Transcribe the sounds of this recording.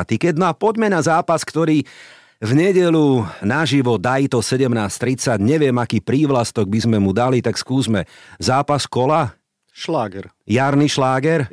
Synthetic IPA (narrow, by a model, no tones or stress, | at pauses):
t̪ikɛt̪d̪̚nɔapɔɟmɛnazaːpaskt̪ɔɾiː | vɲɛɟɛʎunaʒiʋɔd̪ajt̪ɔsɛɟɛmnaːst̪ɾit͡saɟɲɛʋɪɛmakiːpɾiːʋlast̪ɔɡ̚bizmɛmud̪alit̪akskuːzmɛzaːpaskɔla | ʃlaːɡɛɾjaɾniʃlaːɡɛɾ